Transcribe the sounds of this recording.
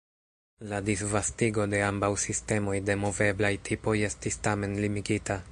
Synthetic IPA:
ladisvastiɡo̞de̞ambawsiste̞mo̞jde̞mo̞ve̞blajtʰipo̞je̞stistame̞nlimiɡita

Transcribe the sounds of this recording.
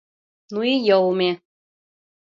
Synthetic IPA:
nuijowmʲe

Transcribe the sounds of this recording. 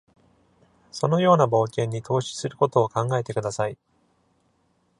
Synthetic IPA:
so̞no̞jo̞ːnabo̞ːkʲẽ̞ɲ̟ːit̪ʰo̞ːɕi̥sɨɾɯ̟ko̞t̪o̞ːkãŋɡae̞t̪e̞kɯ̟d̪asai

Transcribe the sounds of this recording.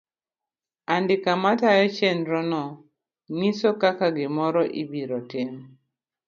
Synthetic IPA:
andɪkamatajɔt͡ʃɛnɾɔnɔ | nisɔkakaɡɪmɔɾɔʔibiɾɔtem

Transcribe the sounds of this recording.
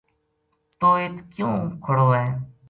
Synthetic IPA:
t̪oːeːt̪ʰkjũːkʰəɽoːɛː

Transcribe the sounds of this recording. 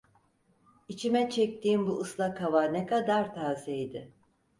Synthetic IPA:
it͡ʃʰimɛt͡ʃʰɛc̚t̪ʰiːnbuɯslˠakʰavanekʰad̪aɾt̪ʰaːzɛjd̪ɪ

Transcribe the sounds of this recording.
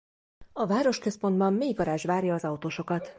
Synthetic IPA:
ɒvaːɾo̞ʃkøspo̞nd̪bɒmmeːɡɒɾaːʒʋaːrjɒːzɒut̪oːʃo̞kɒt̪

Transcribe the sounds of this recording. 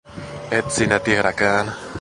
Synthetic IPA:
et͡sinat̪iɾakaːn

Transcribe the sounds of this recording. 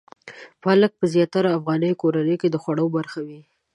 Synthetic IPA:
falək̚pəzjɑt̪aɾaːfɣɑnəjokoɾanəjked̪əxwaɽəwbaɾxawi

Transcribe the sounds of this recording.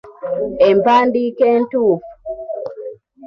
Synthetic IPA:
ɛmpandikɛntuf

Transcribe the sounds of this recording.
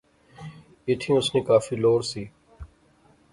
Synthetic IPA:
ɪʈ̪ʰĩːʊsnĩːkaːfiːloːɾsiː

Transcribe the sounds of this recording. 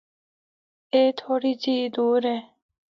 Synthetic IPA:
eːt̪ʰoɾit͡ɕiːd̪uːɾe

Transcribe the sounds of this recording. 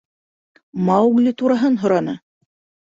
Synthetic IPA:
mɑwɡlʲit̪uɾɑɦɤnɦŏɾɑnɤ

